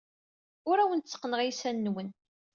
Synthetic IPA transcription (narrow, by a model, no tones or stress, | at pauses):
ʊɾæwənt̪t͡sːə̥qːnəʁisænːwən